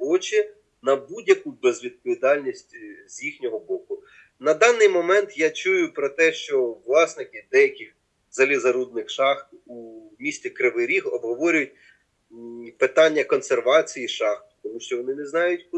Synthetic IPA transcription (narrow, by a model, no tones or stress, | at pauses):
ɔt͡ʃɪ | nɐbudʲjɐkubɛzʋʲid̪̚pɔʋʲid̪ɑlʲnʲisʲtʲzʲjixnʲɔɦɔbɔkʊ | nɐd̪ɑnːɪjmɔmɛnt̪jat͡ʃujʊpɾɔt̪ɛʃt͡ʃɔʋlˠɑsnɪkɪd̪ɛjɐkɪx | zɐlʲizɐɾud̪̚nɪxʃɑxt̪umʲisʲt͡sʲikɾɪʋɪɾʲiɦɔbɦɔʋɔɾʲʊjʊt̚ʲ | pɪt̪ɑnʲːɐkɔnserʋɑt͡sʲijiʃɑxt̪t̪ɔmuʃt͡ʃɔʋɔnɪnɛznɑjʊtʲk